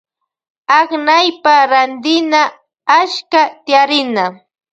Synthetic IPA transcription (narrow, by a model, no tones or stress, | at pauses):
aknajpaɾand̪ɪna | aʃkat̪ɪjaɾɪna